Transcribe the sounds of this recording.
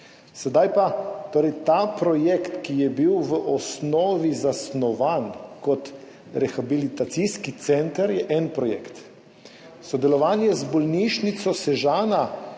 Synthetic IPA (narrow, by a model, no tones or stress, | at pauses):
sɛd̪ajpat̪oːɾɛjt̪aːpɾɔjɛkt̪kijɛbiwʋəʔɔsnɔːʋizasnɔʋankɔt̪ | ɾɛxabilit̪at̪sijskit̪sɛnt̪əɾjɛʔɛnpɾɔjɛ̰kt̪ | sɔd̪ɛlɔʋaːnjɛzbɔlniʃnit̪sɔsɛʒaːna